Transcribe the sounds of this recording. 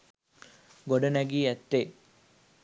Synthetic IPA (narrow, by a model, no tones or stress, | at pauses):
ɡoɖɐnæɡiːæt̪ːe